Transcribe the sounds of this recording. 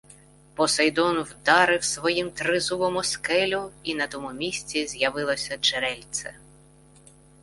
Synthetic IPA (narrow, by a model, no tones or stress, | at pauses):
pɔsɐjd̪ɔnwd̪ɑɾɪwsʋɔjimt̪ɾɪzuʋɔmʊskɛlʲʊinɐt̪ɔmʊmʲisʲt͡sʲizʲjɐʋɪlˠɔsʲɐt͡ʃeɾɛlʲt̪sʲɛ̰